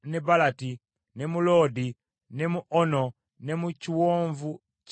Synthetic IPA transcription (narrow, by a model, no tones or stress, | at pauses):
nebalati | nemuloːdi | nemuʔono | nemuciwoːɱvu | c